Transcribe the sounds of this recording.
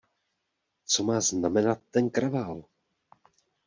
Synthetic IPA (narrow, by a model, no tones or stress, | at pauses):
t͡so̞maːznamɛnat̪ːɛnkɾavaːl